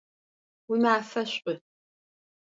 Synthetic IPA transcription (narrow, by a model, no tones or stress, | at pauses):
wʊmaːfɐɕʼʊ